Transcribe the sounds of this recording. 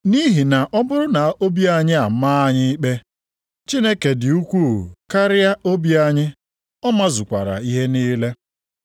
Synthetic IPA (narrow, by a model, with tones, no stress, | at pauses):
ni˦ɦi˨na˨ʔɔ˦bʊ˦ɾʊ˦na˨o˦bi˦a˦ɲɪ˦a˨maː˦a˦ɲɪ˦i˦k͡pe˦ | t͡ʃi˦ne˦ke˨dɪ˨u˦kʷu˦˨ka˦ɾɪ˦a˦ʔo˦bi˦a˦ɲɪ˦ | ɔ˦ma˦zʊ˨kʷa̰˨ɾa̰˨i˦ɦe˦niː˦le˦